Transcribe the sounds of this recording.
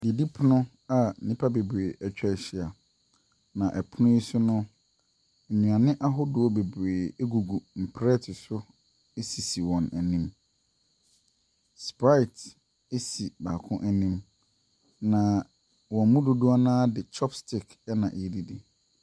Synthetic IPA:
di˨di˦pʰʊ˦nʊ̃˦ | a˨nĩ˦pʰa˦be˨bɾeː˨ʔɛ˨t͡ɕᶣɛ˦˨ɕi˨a˨ | nã˨ʔɛ˨pʰʊ˦nʊ̃˦i˦sʊ˦nʊ̃˦˨ | ɲũ˨a˨nɪ̃˦ʔa˦ɦʊ˦dʊ˨ɔ˦be˨bɾeː˨e˦ɡu˨ɡu˨m̩˨pʰɾɛ˦tʰɪ˨sʊ˦ | e˦si˨si˨wɔ̃˨næ˨nĩ˦m | spa˦ɪ˨t | e˦si˨ba˨kʰʊ̃˦ʔɛ˨nĩ˦m | nã˨ | wɔ̃˨mũ˦dʊ˦dʊ˦a˦nãː˦dɪ˨t͡ʃʰɔ˦pstɪ˨k | ɛ˦nã˨ʔe˨di˦di˨

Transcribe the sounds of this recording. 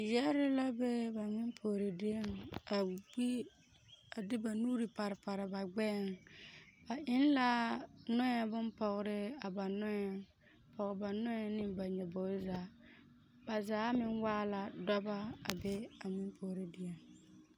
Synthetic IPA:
jɛ˦ɾɪ˦la˦be˦ba˨mɪ˦mpʰo˨ɾe˨dɪ˦e˦ŋa˨ɡ͡bi˦ | a˨dɪ˦ba˨nuː˦ɾi˨pa˨ɾɪ˨pa˨ɾɪ˨ba˨ɡ͡bɛ˦˨ŋ | a˨ʔɪ˦nla˦nɔ˦ɛ˨bʊ˦npɔ˨ɣɾɪ˦a˨ba˨nɔ˦jɛ˨ŋ | pʰɔ˨ɣɪ˨ba˨nɔ˦ɛ˦nɪ˦ba˨ɲɛ˨bɔ˨˦zaː˨˦ | ba˨zaː˨˦mɪ˦nwaː˦la˨dɔ˦ba˦a˨bɛ˦a˨mɪ˦mpʰo˨ɾe˦dɪ˨e˨ŋ

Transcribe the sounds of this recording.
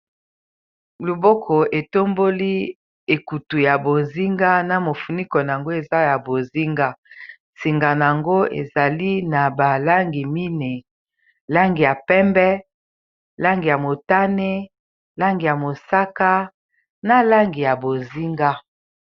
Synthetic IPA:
lu˨bo˦kʰɔ˨e˨to˦mbo˦li˦ | e˨ku˨tu˨ja˨bo˨nzi˦ŋɡa˦na˨mo˨fu˨ni˦kɔ˨na˨a˨ŋɡo˦e˨za˦ja˨bo˨zi˦ŋɡa˦ | si˨ŋɡa˨n˨a˨ŋɡo˦ḛ˨za˨li˦na˨ba˨la˦ŋɡi˨mi˦ne˨ | la˦ŋɡi˨ja˨pɛ˦mbɛ˦ | la˦ŋɡi˨ja˨mo˨ta˦ne˦ | la˦ŋɡi˨ja˨mo˨sa˦ka˦ | na˨la˦ŋɡi˨ja˨bo˨nzi˦ŋɡa˦

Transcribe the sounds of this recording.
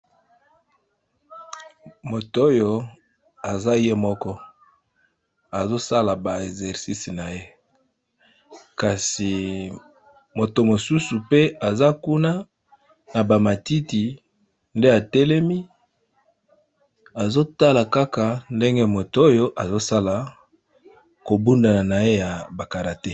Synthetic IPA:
mo˨to˦jo˨ | a˨za˦je˦mɔ˦kɔ˦ | a˨zo˦sa˦la˨ba˨e˨zɛ˨ʁsi˦si˨na˨je˦ | ka˨si˨ | mo˨to˨mo˨su˦su˨pe˦a˨za˦ku˦na˦ | na˨ba˨ma˨ti˦ti˨ | nde˦a˨te˦le˦mi˦ | a˨zo˦ta˦la˨ka˦ka˨nde˦ŋɡe˦mo˨to˨o˦jo˦ʔa˨zo˦sa˦la˨ | ko˨bu˦nda˨na˨na˨je˦ja˨ba˨ka˨ʁa˨te˦

